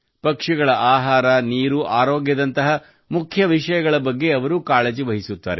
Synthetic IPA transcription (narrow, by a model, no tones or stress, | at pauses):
pɐkʂiɡɐɭɐʔaːɦaːɾɐniːɾuʔaːɾoːɡjɐd̪ɐnt̪ɐɦɐ | mukʰjɐʋiʂɐjɐɡɐɭɐbɐɡːe̞ɐʋɐɾukaːɭed͡ʒiʋɐɦisut̪ːa̰ːɾe